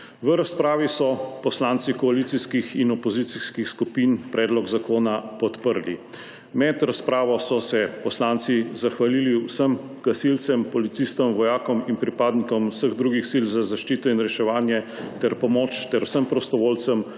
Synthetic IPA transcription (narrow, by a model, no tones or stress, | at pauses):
ʋəɾaspɾaːʋisɔpɔslaːnt̪sikɔalit̪siskixinɔpɔziːt̪siskixskupinpɾʔɛːd̪lɔɡzakoːnapɔt̪pəɾlḭ | mɛd̪ɾaspɾaːʋɔsɔsɛpɔslaːnt̪sizaxʋaliːliwsəm | ɡ̥asilt̪sɛmpɔlit̪sist̪ɔmʋɔjaːkɔminpɾipaːd̪nikɔmusəɣd̪ɾuɡixsilzazaʃt͡ʃiːt̪ɔinɾɛʃɛʋaːnjɛt̪ɛɾpɔmɔt͡ʃt̪ɛɾwsəmpɾɔst̪ɔʋoːlt̪səm